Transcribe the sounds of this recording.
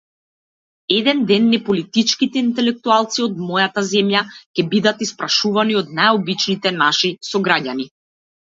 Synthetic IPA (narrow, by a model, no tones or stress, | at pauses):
ɛd̪ɛnd̪ɛnːɛpɔlit̪it͡ʃkit̪ɛint̪ɛlɛk̚t̪ualˠt̪siɔd̪mɔjat̪azɛmjacʲɛbid̪at̪ispɾaʃuvaniɔd̪najɔbit͡ʃnit̪ɛnaʃisɔɡɾaɟani